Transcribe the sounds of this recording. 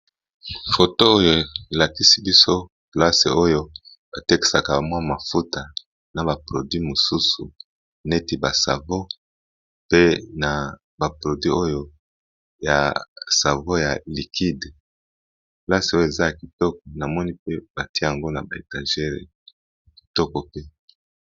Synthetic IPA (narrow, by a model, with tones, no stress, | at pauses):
fo˨to˦o˦jo˨e˨e˨la˨ki˦si˦bi˦so˦ | pla˦se˨o˦jo˦ | b̥a˨te˦ki̥˨sa˨ka˨ba˨mwa˦ma˨fu˦ta˨ | na˨ba˨pʁo˨dɥi˦mo˨su˦su˨ | ne˦ti˨ba˨sa̰˨vo˦ | pe˦na˨ | ba˨pʁo˨dɥi˦ʔo˦jo˦ | ja̰˨sa˨vo˦ja˨li˨kʰi˦de˨ | pla˦se˨o˦jo˦˨e˨za˦ja˨ki˨tɔ˦k̚ɔ˨na˨mɔ˦ni˦pe˦b̥a˨ti˦˨ja˨ŋɡo˦na˨ba˨e˨tã˨ʒɛ˦ʁḛ˨ | ki̥˨tɔ˦kɔ˨pe˦